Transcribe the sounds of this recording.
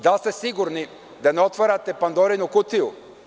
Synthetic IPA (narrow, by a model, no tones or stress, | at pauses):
d̪alˠst̪ɛsiɡuɾni | d̪anɛɔt̪vaɾat̪ɛpand̪ɔɾinokut̪iʊ